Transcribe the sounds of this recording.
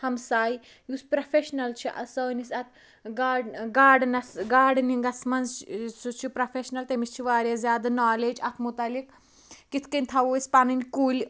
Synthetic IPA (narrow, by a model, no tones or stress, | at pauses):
hɐmsaːji | juspɾɐfeʃnɐlt͡ʃʰiʔɐ̰səːnisɐt̪ʰ | ɡaːɖɡaːɖnɐsɡaːɖniŋɡɐsmɐnzsut͡ʃʰipɾɐfʰʲeʃnɐlt̪emist͡ʃʰiʋaːɾʲjɐzʲjaːd̪ɐnaːleːd͡ʒɐt̪ʰmut̪ɐlik | kit̪ʰkɐnʲt̪ʰɐʋoispanɐnʲkuːlʲ